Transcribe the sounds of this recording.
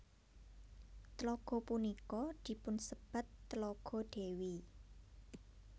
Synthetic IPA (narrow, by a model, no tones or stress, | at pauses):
t̪lɔɡ̥ɔ̤punikɔd̪̥i̤pʊnsəb̥a̤t̪ːlɔɡ̥ɔ̤ɖ̪̥e̤wi